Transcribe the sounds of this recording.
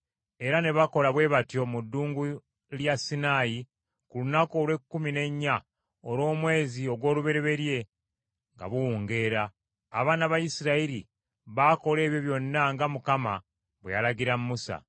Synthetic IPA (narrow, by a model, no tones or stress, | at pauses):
e̞ɾane̞βako̞laβwe̞ːβatjo̞mudːuːŋɡu | ljasinaːji | kulunako̞ːlwe̞kːumine̞ɲːa | olo̞ːmwe̞ːzio̞ɡwo̞ːluβe̞ɾeβe̞ɾje̞ | ŋɡa̰βuwuːŋɡe̞ːɾaː | βaːnaβajisiɾaiɾi | βaːko̞le̞ːβjo̞βjo̞nːaŋɡamukama | βwejalaɟiɾammusa̰